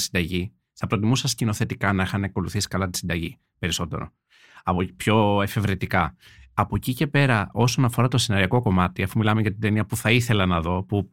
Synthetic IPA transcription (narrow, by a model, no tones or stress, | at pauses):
sind̪ɐʝi | θɐpɾo̞t̪imusɐscino̞θe̞t̪ikɐnɐexɐneko̞luθisi̥kɐlɐt̪i̥sind̪ɐʝi | pe̞ɾiso̞t̪e̞̰ɾo̞̰ | ɐpopço̞e̞fe̞vɾit̪ikɐ | ɐpo̞cice̞pe̞ɾɐo̞so̞nɐfo̞ɾɐt̪o̞sinɐɾiɐko̞ko̞mɐt̪iɐfumilɐme̞ʝɐt̪ind̪eniɐpuθɐiθe̞lɐnɐðo̞pu